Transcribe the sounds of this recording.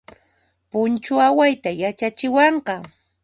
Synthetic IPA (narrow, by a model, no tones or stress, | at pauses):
pʊnt͡ʃʊawajt̪ajat͡ʃat͡ʃɪwɑɴɢɑ